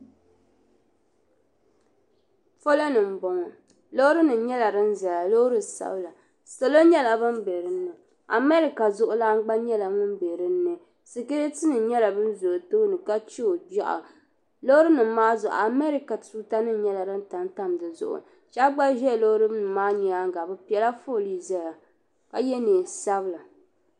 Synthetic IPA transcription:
fo˦lo˦nɨ˨m̩˨bɔ˨˦ŋɔ˨ | lo˦ɾɨ˦nɨ˨˦ɲɛ˦la˨ɾɨ˦n˦za˨la˨lo˦ɾɨ˦sa̰˦bla˨ | so˨lo˦ɲɛ˦la˨bɨ˦m˦be˨ɾɨ˦nːɨ˨ | a̰˨mɛ˦ɾi˨ka˨zʊ˦ʔʊ˦la˦ŋ˦ɡ͡ba˦ɲɛ˦la˨ŋʊ˦m˦be˨ɾɨ˦nːɨ˨ | sɨ˨ke˦ɾtɨ˦nɨ˨ɲɛ˦la˨bɨ˦n˦zʊ˨ʔʊ˨to˦nɨ˨ka˦t͡ʃi˦o˨d͡ʒa˦ʔa̰˨ | lo˦ɾɨ˦nɨ˨˦maː˦zɔ˨ʔa˨mɛ˦ɾi˨ka˨tu˦ta˦nɨ˦ɲɛ˦la˨ɾɨ˦n˦ta˨n˦ta˦m˨dɨ˨zʊ̰˨ʔʊ̰˨ | t͡ʃa˦ɡ͡ba˦ʒɛ˦˨lo˦ɾɨ˦nɨ˨mːaː˦ɲɛ˨a˦ŋ˦ɡa˨bɨ˦pi˨ɛ˨la˦fo˦˨li˦za˦ja˨ | ka˦jɛ˦neː˨sa˦bɨ˦la˨

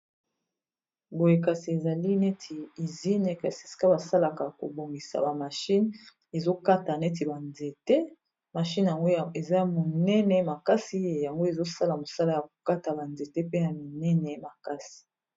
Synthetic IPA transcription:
bo˨je˨ka˨si˨e˨za˨li˦nɛ˦tʰi˨i˨zi˦ne˨ka˨si̥˨si̥˨ka˦ba˨sa˦la˨ka˨ko̰˨bo˨ŋɡi˨sa̰˨ba˨ma˨ʃi˦n | e˨zo˦ka˦ta˨nɛ˦t̬i˨ba˨nze˨te˦ | ma˨ʃi˦n˨ja˨ŋɡo˦˨e˨za˦mo˨nɛ˦nɛ˨ma˨ka˦si˦e˨ja˨ŋɡo˦e˨zo˦sa˦la˨mo˨sa˦la˦ja˨ko̥˨ka˦ta˨ba˨nze˨te˦pe˦na˨mi˨nɛ˦nɛ˨ma˨ka˦si̥˨

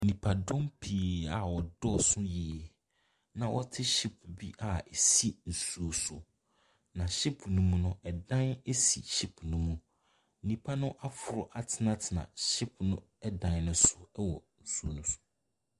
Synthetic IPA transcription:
nĩ˨pʰa˨dɔ̃˦mpʰi˨a˨wɔ˨dɔ˦˨sʊ̃˦ji˨e˨ | nã˨wɔ˦tʰɪ˦ɕi˦pʰbi˦ʔa˦e˨si˦n̩˨su˦o˨sʊ˨ | nã˨ɕi˦pʰnũ˦mũ˦nʊ̃˦ɛ˨dã˦ne˦si˨ɕi˦pʰnũ˦mũ˨ | n̩˨nĩ˨pʰa˦nʊ̃˦ʔa˦fʊ˨ɾʊ˨ʔa˨tʰɪ˨nã˦tʰɪ˨nã̰˨ɕɪ˦pnʊ̃˦ | ɛ˦dã˦nnʊ̃˦sʊ˨˦wɔ̰˨n̩˨su˦o˦˨nũ˦sʊ̥˨

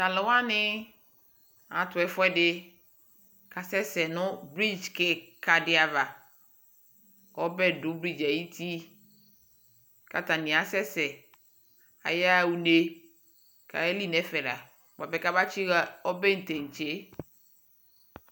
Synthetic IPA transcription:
t̪a˨lɪ˨wa˦nɪ˦ | ã˨t̪ʊ˨ɛ˨fʊ˦ɛ˦dɪ˦ | ka˨sɛ˦sɛ˨nʊ̃˦bɾi˦d͡ʒkɛ˨ka˨dɪ˨˦a˨va˨ | wɔ˦bɛ˦dʊ˨˦bɾi˦d͡ʒa˨ji˦t̪ʰi˦ | ka˨t̪a˨nĩ˨a˨sɛ˦sɛ˨ | a̰˨ja˦˨wu˨ne˨ | ka̰˨ɛ˦li˦nɛ˨fɛ˨la̰˨ | wa˨bɛ˨ka˦ba˦t͡ʃi˦ɔ˦bɛ˦n̩˨t̪e˨ŋ̩˨t͡ʃe˨˦

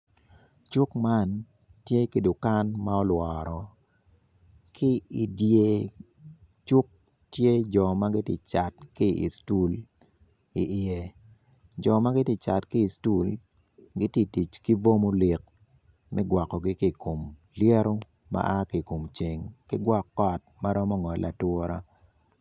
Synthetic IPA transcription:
t͡ʃu˦kma˦n | tje˦ke˨do˨ka˦nma˦ɔ˦lwɔː˨ɾɔ˨ | kɪ˦i˨dje˨ | t͡ʃu˦k̚ | tje˦d͡ʒɔ˨ma˦ɡɪ˦ti˨t͡ʃa˨t̚kɪ˦ḭ˨stu˦l | i˨ʔɪ˨je˨ | d͡ʒɔ˨ma˦ɡɪ˦ti˦t͡ʃa˨tkɪː˦˨stu˦l | ɡɪ˦ti˦ti˨t͡ʃki˦vo˦mo˦li˨k̚ | mɛ˦ɡwa˨kːɔ˨ɡɪ˦ki˦˨ko˨m | lje˦ɾo˦ | ma̰˦ʔa˦kɪ˨ko˨mt͡ʃe˨ŋkɪ˦ɡwɔ˦kːɔ˦t̚ma˦ɾɔ˦mɔ˦ŋɔ˨lʔa̰˨two˦ɾa̰˦

